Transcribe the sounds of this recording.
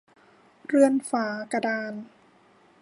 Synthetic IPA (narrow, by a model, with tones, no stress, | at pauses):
ɾɯ˥˧ənfaː˩˦ka˧daː˧n